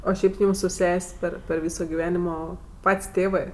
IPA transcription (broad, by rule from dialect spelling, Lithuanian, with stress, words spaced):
oː ˈʃʲɛɪp ˈjuːm sʊ ˈsʲɛsʲ pʲɛr pʲɛr ˈʋʲiːsoː ɡʲɪˈʋʲæːnʲɪmoː ˈpɐtʲsʲ ˈtʲeːʋɜ